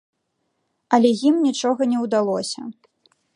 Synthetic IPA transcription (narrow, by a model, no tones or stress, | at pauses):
ɐlʲɛjimnʲit͡ʂɔɣɐnʲɛwd̪alˠɔsʲɐ̰